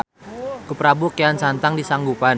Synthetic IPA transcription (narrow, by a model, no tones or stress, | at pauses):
kupɾabukeant͡ʃant̪aŋdisaŋɡupan